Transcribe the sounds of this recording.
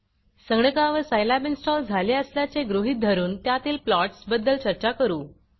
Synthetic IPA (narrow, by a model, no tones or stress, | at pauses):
səŋɡɳəkaʋəsəjlabinsʈɔld͡zʱaleəsljat͡seɡɾuɦiːt̪̚d̪ʱəɾuːnt̪jat̪iːlplɔʈsbəd̪ːəlt͡ɕəɾt͡ɕakəɾuː